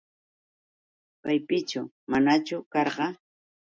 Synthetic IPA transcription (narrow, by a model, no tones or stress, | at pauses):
pajpɪt͡ʃʊ | manat͡ʃʊkɑɾɢɑ